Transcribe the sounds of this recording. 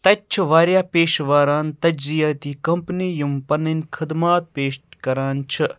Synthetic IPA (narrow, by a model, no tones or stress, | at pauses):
t̪ɐt͡ʃʰuʋaːɾjaːpeːʃʋaːɾaːnt̪ɐd͡ʒzijaːt̪iːkɐmpniːjumpɐninʲkʰɐd̪maːt̪̚peːʃkɐɾaːnt͡ʃʰɨ